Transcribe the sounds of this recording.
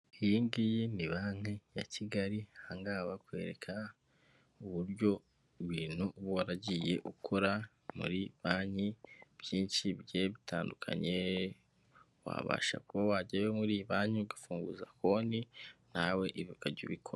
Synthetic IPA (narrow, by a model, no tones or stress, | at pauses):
ijiŋɡijemiβaŋeja̰cʰiɡaɾihaŋɡaβakwe̞̰ːɾe̞kʰa | uβuɾɟo̞ | βiːn̥huβwaɾaɟije̞̰ʔukʰoɾa | mṵɾiβaːɲib̥jiːnʃibɟeβitʰaːndukʰa̰ɲe̞ | wa̰βa̰ːʃa̰kuβawaɟawemuɾiβaːɲiɡafuːŋɡuzako̞ninawe̞ʔiβukaɟoβikʰoɾa